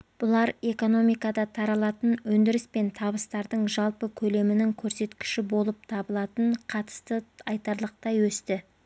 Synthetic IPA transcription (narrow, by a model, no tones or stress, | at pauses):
b̥ʊlˠɑɾe̞ko̞no̞mijkɑd̪ɑt̪ʰɑɾɑlˠɑt̪ənwɵnd̪ɪɾɪspe̞nt̪ʰɑβəst̪ɑɾd̪əɴʒɑlˠpəkʲʰɵle̞mɪnɪŋkʲʰɵɾse̞t̪kʲɪ̥ʃɪbo̞lˠəp̚t̪ʰɑbəlˠɑt̪əɴqʰɑt̪ə̥st̪əɑjt̪ɑɾlˠəq̚t̪ɑjwɵst̪ɪ